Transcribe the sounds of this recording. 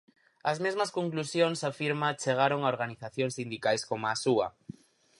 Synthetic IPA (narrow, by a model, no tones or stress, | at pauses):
azmezmaskõŋklusjoŋsafiɾmat͡ʃeɣ̞aɾoŋaoɾɣaniθaθjoŋsind̪ikajskomasua